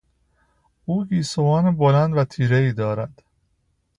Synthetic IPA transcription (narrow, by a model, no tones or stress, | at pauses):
uːɡiːsovɒːnebolænd̪væt̪ʰiːɾeiːd̪ɒːɾæd̪̥